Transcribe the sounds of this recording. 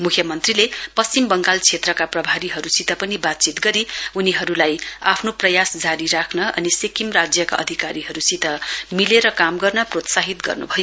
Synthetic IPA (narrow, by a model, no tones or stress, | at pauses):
mukʰjʌmʌnt̪rilepʌst͡simbʌŋɡalt͡sʰet̪rʌkaprʌbʱaɾiɦʌɾusit̪ʌpʌnibat̪̚t͡sit̪ɡʌɾiuniɦʌɾulaja̰pʰnoprʌjasd͡zaɾiɾakʰnʌʌ̰nisekimrad͡zjʌka̰ʔʌ̰d̪ʱikaɾiɦʌɾusit̪ʌmileɾʌkamɡʌrnʌprot̪saɦit̪ɡʌ̰rnṵbʱʌjo